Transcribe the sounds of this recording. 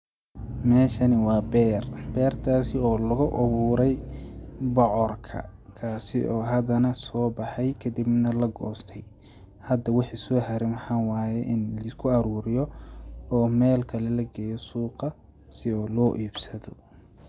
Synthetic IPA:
mɛːʃɐnɪwɑːbɛːrbɛːrt̪ʰaːsɪɔːlʊɣʊʔʊβuːɾɛj | bɔʕɔrkʰɐ̰ | kʰaːsɪʔɔːɦɐd̪ɐnɐsɔːbɑħɑjkʰɐd̪ibnɐlɐɡɔːst̪ʰɛj | hɐd̪ɐwɑħiːsɔːhɐɾɪmħɑwaːjɛʔɪnlɐɪskʰʊɐɾuːɾɪjɔɔːmɛːlkʰɐlɛlɐɡɛːjɔsuːqɑ | sɪɔːlɔːʔiːbsɐðɔ̰

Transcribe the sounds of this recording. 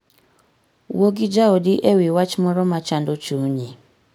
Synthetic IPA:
woɡid͡ʒaodiʔewiwat͡ʃmɔɾɔmat͡ʃandot͡ʃuɲi

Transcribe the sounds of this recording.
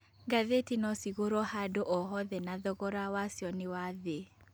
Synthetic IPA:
ɡaðetinɔsiɣoɾɔhadoʔɔɦɔðɛnaðɔɣɔɾawasjɔnɪwaðe

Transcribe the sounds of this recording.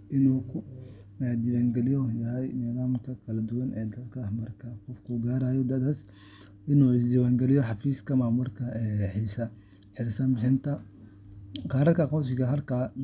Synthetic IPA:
ʔɪnuːkʰʊ | ɛd̪ɪβaːŋɡɛlɪjɔjɐɦɛjnɪðaːmkʰɐkʰɐlɐd̪ʊwɐnʔɛːd̪ɐd̪kʰahmɐrkʰaqɔfkʰʊɡaːɾaːjɔd̪ɐd̪aːs | ʔɪnuːɪs̬d̪ɪwaːŋɡɛlɪjɔħɑfiːskʰɐmaːmʊlkʰɐɛħiːsɐ | ħɪɾsɐnbɪħɪnt̪ʰɐ | qɑːɾɐrkʰɐqɔws̬ɪɣɐɦɐlkʰaː

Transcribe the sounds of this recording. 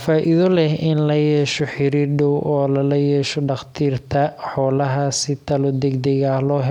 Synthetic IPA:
faːʔɪðɔlɛhɪnlɐjɛːʃɔħɪɾiːɾɖɔwʔɔːlɐlɐjɛːʃɔɖɑχt̪ʰiːrt̪ʰɐħɔːlɐɦɐsɪt̪ʰɐlɔd̪ɛɡd̪ɛɣaːhlɔːɦɛ

